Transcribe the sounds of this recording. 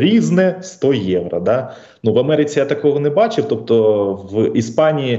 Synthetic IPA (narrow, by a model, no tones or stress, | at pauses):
ɾʲiznɛst̪ɔjɛʋɾɐ̰d̪ɑ | nuʋɐmɛɾɪt͡sʲijat̪ɐkɔɦɔnɛbɑt͡ʃɪwt̪ɔp̚t̪ɔʋispɑnʲiji